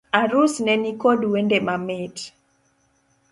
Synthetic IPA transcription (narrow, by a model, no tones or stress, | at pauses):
aɾusnɛnikodwendemamet